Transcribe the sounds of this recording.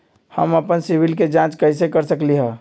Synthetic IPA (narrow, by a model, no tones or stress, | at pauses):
hə̰məpənsibɪlked͡ʒãt͡ʃkəɪs̬ekəɾsəkliɦɛ̃ː